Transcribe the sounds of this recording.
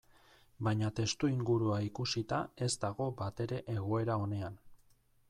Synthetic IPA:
baɲat̪e̞st̪uiŋɡuɾuaikusit̪ae̞zd̪aɣ̞o̞bat̪e̞ɾe̞ʔeɣ̞o̞e̞ɾao̞ne̞an

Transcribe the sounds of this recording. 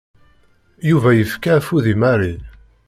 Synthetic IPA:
juvæjəfkafuðimaɾi

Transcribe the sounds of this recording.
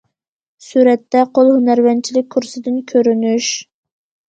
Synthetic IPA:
suɾɛt̪ːɛqʰolˠhunæɾvɛnt͡ʃʰilɪk̚ʲkʰːuɾsɨd̪ɪnkʲʰøɾynyʃ

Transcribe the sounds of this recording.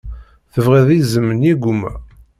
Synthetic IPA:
θəvʁæðizəməniɡʷumæ̰

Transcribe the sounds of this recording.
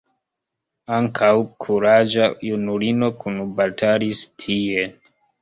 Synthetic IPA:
aŋkʰawkʰuɾad͡ʒajunulino̞kunbaltʰalistʰie

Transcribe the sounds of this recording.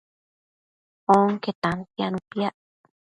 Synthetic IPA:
oŋket̪ant̪ianũpiaʔ

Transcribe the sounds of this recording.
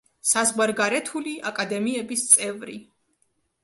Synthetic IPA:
sazʁwaɾɡaɾɛt̪ʰuliʔakʼad̪ɛmiɛbist̪sʼɛvɾi

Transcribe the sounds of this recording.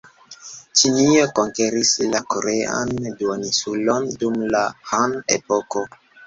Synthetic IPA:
t͡ʃinioko̞ŋkeɾislakoɾe̞a̰nduonisulondumlahanepo̞ko̞

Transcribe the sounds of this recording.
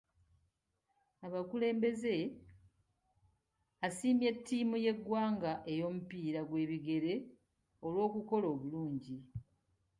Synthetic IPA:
aβakule̞ːmbe̞ze̞ | asiːmje̞tːiːmuje̞ɡwaːŋɡaʔe̞jo̞ːmupiːɾaɡwe̞ːβiɡe̞ɾe̞ | o̞lwo̞ːkuko̞loːβuluːɲɟi

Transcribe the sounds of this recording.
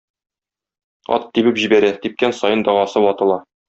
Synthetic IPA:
ɒ̰t̪ːibɘpʑibæɾæt̪ip̚kænsɒjɤnd̪ɒʁɑsɤwɒt̪ɤ̆lˠɑ

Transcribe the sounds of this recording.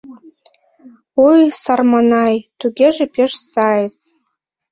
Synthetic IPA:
ujsarmanɑjt̪uɡʲeʒepeʃsajes

